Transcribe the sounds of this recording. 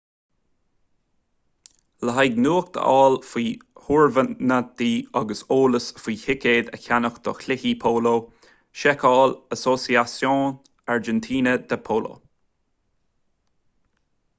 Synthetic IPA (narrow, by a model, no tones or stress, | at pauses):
ləɦajɡnuːxd̪̥ə̰ʔɑːlfiːhuɹvənəd̪iːɑɡəsoːləsfiːhɪkeːd̪ə̰çanəxd̪̥ɔ̰xʰlɪhiːpʰoːloː | ʃɛkʰɑːləsosiasjõːn | aɹd͡ʒɛnt̪ʰiːnəd̪əpʰoːlo̰ː